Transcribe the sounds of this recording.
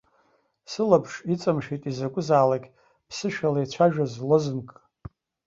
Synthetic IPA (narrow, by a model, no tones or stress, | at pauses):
sɨlapʰʂit͡sʼamʂitʼizakʷʼʊzaːlakʲ | pʰsɨʃᶣalajt͡sʷʰaʒᶣazlozɨnkʼ